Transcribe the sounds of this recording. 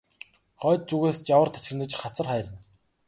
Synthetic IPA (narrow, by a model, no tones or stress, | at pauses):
χœːt̪̚t͡suɣeːst͡ɕawə̆rt̪ʰḁt͡ɕxɘ̆nə̆t͡ɕχat͡sə̆rχæːɾʲə̆n